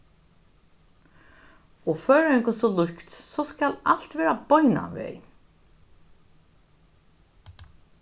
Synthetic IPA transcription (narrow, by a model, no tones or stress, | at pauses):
ɔfœːɾaɛŋkʊnsɔlʊhkt̪sɔskalal̥t̪vɛːɾabɔjna̰vḛ